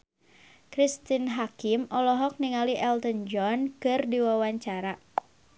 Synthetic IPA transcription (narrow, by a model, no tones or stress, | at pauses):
kɾist̪inɦakimɔlɔɦɔk̚niŋaliʔɛlt̪ənd͡ʒɔnkɨrdiwawaɲt͡ʃaɾa